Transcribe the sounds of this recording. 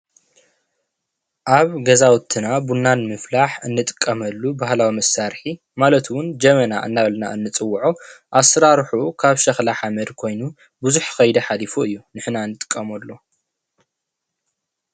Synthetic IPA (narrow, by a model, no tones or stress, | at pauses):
ʔaβɡɐzawt̪ʰɨnabunːanmɨflaħɨnːɨt̪ʼɨ̥kʼːɐmɐlːubahlawimɐsaɾħi | malɐt̪wʊnd͡ʒɐmɐnaʔɨ̰nːaβɐlna̰ʔɨnːɨt͡sʼɨwːʕuʔasɾaɾħukʰaβʃɐxlaħamɐd̪kʰo̞jnu | buzuħxɐjd̪ɐħalifuɨjːunɨħnaɨnːɨt̪ʼɨ̥kʼːɐmɐlːo